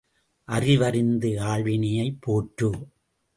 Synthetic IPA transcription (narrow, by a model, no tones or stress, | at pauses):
ʔɐrɪʋɐɾɪnd̪ɯaːɭʋɪnɐjɐɪpʰːoːʈrɯ